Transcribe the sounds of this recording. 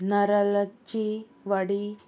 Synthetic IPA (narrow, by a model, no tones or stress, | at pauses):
nəɾələt͡ɕi | ʋəɽi